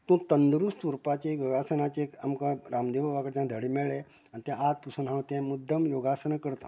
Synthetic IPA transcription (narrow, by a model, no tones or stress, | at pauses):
t̪ũːt̪ənd̪ɾust̪uɾpat͡ɕejoɡasənat͡ɕekamkãɾaːmd̪eʋaʋakəɾt͡ɕãd̪ʱəɽimeɭe | ant̪jãat̪̚pusunɦãwt̪ẽmud̪ʱəmjoɡasənakəɾt̪o̰